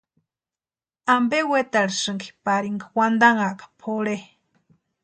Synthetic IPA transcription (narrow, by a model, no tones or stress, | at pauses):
ambewet̪aɺisɨŋki̥paɾiŋɡawand̪aŋaʔkḁpʰoɺe